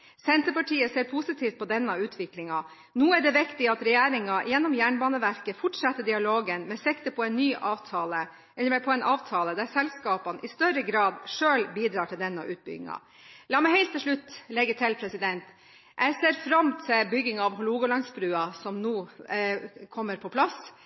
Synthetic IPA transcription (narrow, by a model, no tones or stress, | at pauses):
sɛnt̪əpɑʈʰiːəseːɾpʰusɪt̪ʰiːft̪̚pʰɔd̪ɛnːɑʉːt̪ʰʋɪklɪŋɑ | nuːæɖɛʋɪkt̪ɪɑt̪ɾɛjeːɾɪŋɑjɛnːɔmjæːɳbɑːnəʋæɾkəfʊʈʂɑt̪ːəɖɪɑloːɡənmɛsɛkt̪əpʰɔɛɪnːyːʔɑːʋt̪ʰɑːlə | ɛəmɛpʰɔɛɪnʔɑːʋt̪ʰɑːləd̪æɾsɛlskɑːpɑnʔɪst̪œɾəɡɾɑːd̪ʂøːlbiːd̪ɾɑːʈʰɪld̪ɛnːɑ̰ʔʉ̰ːt̪̚bʏ̰ɡɪ̰ŋɑ̰ | lɑːmɛɪhɛɪlt̪ʰːɪʂɭʉt̪ːlɛɡːət̪ʰɪlpʰɾɛsɪd̪ɛnt̪ | jʔæɪseːɾfɾɑmt̪ʰɪlbʏɡːɪŋɑʋɦʊluːɡʊlɑŋsbɾʉːɑsɔmnuː | kʰɔmːəɾpʰɔpʰlɑs